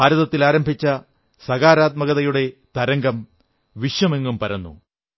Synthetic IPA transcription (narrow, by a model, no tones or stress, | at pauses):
aːɾɐðɐt̪ːilaːɾɐmbʱit͡ɕːɐ | sɐɣaːɾaːt̪̚mɐɣɐðɐjuɽe̞t̪ɐɾɐŋɡɐm | ʋiʂjɐme̞ŋːumpɐɾɐnːṵ